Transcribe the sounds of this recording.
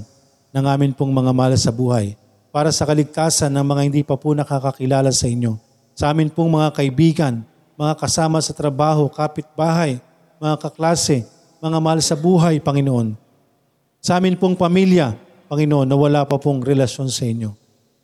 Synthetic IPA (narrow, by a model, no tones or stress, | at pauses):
nɐŋʔaːmɪnpoŋmɐŋamɐhalsɐbuːhɐj | paːɾɐsɐkɐlɪɡ̚t̪aːsɐnːɐŋmɐŋahɪnd̪iːpɐponɐkakɐkɪlaːlɐsɐʔɪɲjo̞ | sɐʔaːmɪnpoŋmɐŋakɐʔɪbiːɡɐn | mɐŋakɐsaːmɐsɐt̪ɾɐbaːɦo̞kaːpɪt̪̚baːɦɐj | mɐŋakɐklaːsɛ | mɐŋamɐhalsɐbuːɦɐjpɐŋɪnoʔo̞n | sɐʔaːmɪnpoŋpɐmiljɐ | pɐŋɪnoʔo̞nːɐwɐlaːpɐpoŋɾɛlɐʃo̞nsɐʔɪɲjo̞